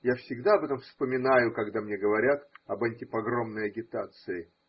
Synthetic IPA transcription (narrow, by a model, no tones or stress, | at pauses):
jafsʲɪɡd̪aɐbɛt̪əmfspəmʲɪnajʊkɐɡd̪amnʲeɡəvɐɾʲat̪ɐbɐnʲtʲɪpɐɡro̞mnəjɐɡʲɪt̪at̪sɨɪ